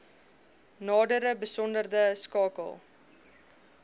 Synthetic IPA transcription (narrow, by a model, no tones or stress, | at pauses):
nɑːdəɾəbəsɔndərdəskɑːkə̰lˠ